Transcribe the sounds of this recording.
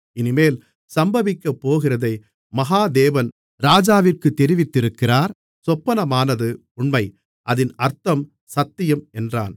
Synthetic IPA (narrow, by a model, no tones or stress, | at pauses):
ɪnɪmeːl | sɐmbɐʋɪkːɐpːoːɣɪrɐðɐɪ | mɐɣaːd̪eːʋɐn | ɾaːd͡ʒaːʋɪrkɯt̪ːɛɾɪʋɪt̪ːɪɾɯkːɪraːɾ | sɔpːɐnɐmaːnɐðɯ | ʊɳmɐɪ | ʔɐðɪnɐɾt̪ɐm | sɐt̪ːɪjɐmɛndra̰ːn